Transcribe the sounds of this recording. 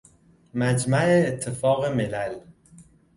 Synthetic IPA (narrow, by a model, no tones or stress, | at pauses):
mæd͡ʒmæeːt̪ʰːefɒːɣemelæl